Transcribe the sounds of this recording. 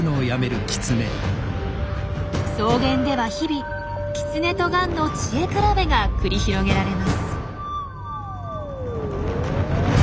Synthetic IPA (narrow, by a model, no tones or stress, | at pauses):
noːjame̞ɾɯ̟kʲi̥t͡sɨne̞̰ | so̞ːɡẽ̞nd̪e̞βaçibʲi | kʲi̥t͡sɨne̞t̪o̞ɡãnːo̞t͡ɕiekɯɾabe̞ɡakɯ̟ɾʲiçiɾo̞ɡe̞ɾaɾe̞masɨ̥